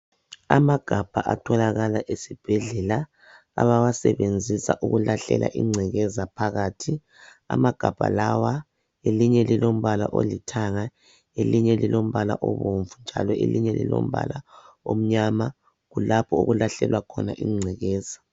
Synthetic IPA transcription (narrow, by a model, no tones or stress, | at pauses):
amaɡ̥ʱab̥ʱaʔatʰɔlaɣalaʔesib̥ʱɛɮɛla | a̰βawasɛβend͡zʱisa̰ʔuɣulaɬɛ̰lʔa̰ʔiŋ͡ǀʱɛɣɛzapʰaɣaːtʰi | a̰maɡ̥ʱab̥ʱa̰lawa | eliɲɛlilom̩βala̰ʔolitʰaŋa | eliɲɛlilʔom̩βalaʔɔβoɱvund͡ʒʱa̰lɔʔeliɲɛlḭlo̰m̩βa̰la | om̩ɲama | ɣulapʰɔoɣulaɬɛlwakʰɔnaʔiŋ͡ǀʱɛɣɛːza